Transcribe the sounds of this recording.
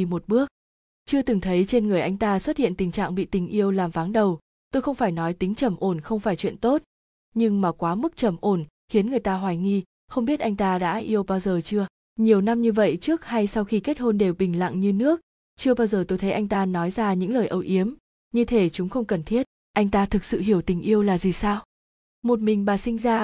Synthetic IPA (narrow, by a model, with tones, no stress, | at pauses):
i˧mo˨˩t̚ɓɨ˦˥ək̚ | t͡ɕɨ˧ət̪ɨ˨˩ŋt̪ʰə˨˦jt͡ɕe˧nŋɨ˨˩əjʔa˧jŋ̟t̪aː˧swə˦˥t̚hḭ˧˨ənt̪ï˨˩ŋ̟t͡ɕa̰ː˧˨ŋɓḭ˧˨t̪ï˨˩ŋ̟ʔi˧əwlaː˨˩mvaː˨˦nɗə˨˩w | t̪o˧jxə˧wŋ͡mfaː˧˩jnɔ˨˦jt̪ï˨˦ŋ̟t͡ɕə˧˩mʔo˧˩nxə˧wŋ͡mfaː˧˩jt͡ɕwḭ˧˨ənt̪o˦˥t̚ | ɲɨ˧ŋmaː˨˩kwaː˨˦mɨ˦˥k̚t͡ɕə˧˩mʔo˧˩n | xi˨˦ənŋɨ˨˩əjt̪aː˧ɦwaː˨˩jŋi˧ | xə˧wŋ͡mɓi˦˥t̚ʔa˧jŋ̟t̪aː˧ɗa̰ː˧˥ʔi˧əwɓaː˧wzəː˨˩t͡ɕɨ˧ə | ɲi˨˩əwna˧mɲɨ˧və̰˧˨jt͡ɕɨ˦˥ək̚ha˧jsa˧wxi˧ke˦˥t̚ho˧nɗe˨˩wɓï˨˩ŋ̟la̰˧˨ŋɲɨ˧nɨ˦˥ək̚ | t͡ɕɨ˧ə˧ɓaː˧wzəː˨˩t̪o˧jt̪ʰə˨˦jʔa˧jŋ̟t̪aː˧nɔ˨˦jzaː˧ɲɨ̰˧˥ŋləː˨˩jʔə˨˧˩wʔi˨˦əm | ɲɨ˧t̪ʰe˨˩t͡ɕʊ˨˦ŋ͡mxə˧wŋ͡mkə˨˩nt̪ʰi˦˥ət̚ | ʔa˧jŋ̟t̪aː˧t̪ʰɨ˨˩k̚sɨ̰˧˨ɦi˧˩əwt̪ï˨˩ŋ̟ʔi˧əwlaː˨˩zi˨˩saː˧w | mo˨˩t̚mï˨˩ŋ̟ɓaː˨˩sï˧ŋ̟zaː˧